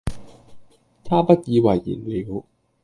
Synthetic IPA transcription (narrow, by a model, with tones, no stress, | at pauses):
t̪ʰaː˥˩pɐ˦˥t̚jiː˨˧wa˨˩jːḭ˨˩nliː˨˩˦w